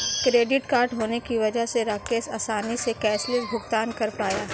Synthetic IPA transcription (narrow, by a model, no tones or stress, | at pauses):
kɾeːɖɪʈkaːɾɖɦoːnekiʋɐd͡ʒəɦseɾaːkeːsaːsaːnisekɛːslɪsbʱʊɡt̪aːnkɐɾpaːjaː